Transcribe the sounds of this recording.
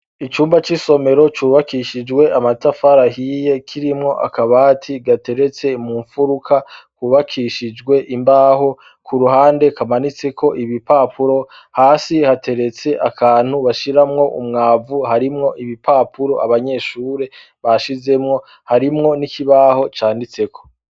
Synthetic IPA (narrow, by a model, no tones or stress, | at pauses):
it͡ʃuːmbat͡ʃiso̞me̞ɾo̞t͡ʃuːβakiʃid͡ʒɡwe̞ʔamatafaɾaɦije̞kʰiɾimŋo̞ʔa̰kaβaːtʰiɡate̞ɾe̞t͡se̞muɱfuɾukʰakwuβakʰiʃid͡ʒɡwe̞ʔimbaːɦo̞ | kʰuɾuhaːnde̞kamanit͡se̞kʰo̞ʔiβipapʰuɾo̞ | haːsihatʰe̞ɾe̞t͡se̞ʔakʰaːn̥huβaʃiɾamŋo̞ʔumŋaːvuɦaɾimŋo̞ʔiβipapʰuɾo̞ʔaβaɲe̞ːʃuːɾe̞ | βaʃize̞mŋo̞ | haɾimŋo̞nikʰiβaho̞t͡ʃaːndit͡se̞kʰo̞̥